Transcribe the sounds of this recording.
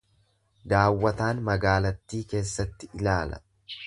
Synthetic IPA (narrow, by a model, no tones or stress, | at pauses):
d̪aːwːɐt̪aːnmɐɡaːlɐt̪ːiːke̞ːsːɐt̪ːɪɪlaːlɐ̥̰